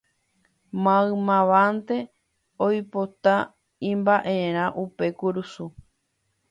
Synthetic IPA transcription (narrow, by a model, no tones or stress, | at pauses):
mãɨ̃mãʋant̪e̞ | ojpot̪a | ĩmbaʔeɾ̃ãʔupe̞kuɾusu